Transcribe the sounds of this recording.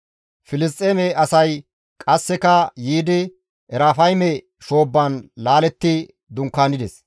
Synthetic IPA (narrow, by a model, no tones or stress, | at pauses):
fɪlɪs̬t̪ʼːeːmɛɐsɐj | kʼɐsːɛkɐjiːd̪ɪ | ʔɛɾaːfɐjmɛ | ʃo̞ːbːɐnlaːlɛt̪ːɪ | d̪ʊŋkːaːnɪd̪ɛs